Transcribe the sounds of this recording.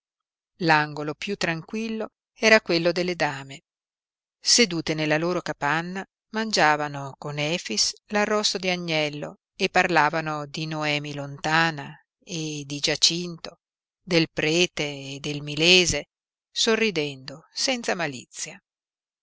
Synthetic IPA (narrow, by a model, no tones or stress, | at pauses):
laŋɡolopjut̪ːɾaŋkwilːo | ɛːɾakwelːod̪elːed̪aːme | sed̪uːt̪enelːaloːɾokapanːa | mand͡ʒaːvanokonɛːfislarːɔsːod̪iaɲːɛlːo̰ | epːarlaːvanod̪inoɛːmilont̪aːna | ed̪id͡ʒat͡ʃint̪o | d̪elpɾɛːt̪eːd̪elmileːze | sorːid̪ɛnd̪osɛnt̪samalḭt̪sːja